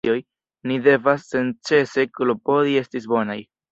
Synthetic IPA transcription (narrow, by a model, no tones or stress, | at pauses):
o̞j | nide̞vasːe̞nt͡ʃt͡se̞se̞klopo̞die̞stis̬bo̞naj